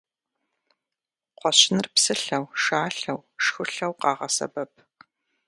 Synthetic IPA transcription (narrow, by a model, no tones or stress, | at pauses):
qʷɔɕɪnɨrpsɨɬɐwʃaːɬɐwʂxʷʊɬɐwqɑːʁɐsɐ̰bɐp̚ʰ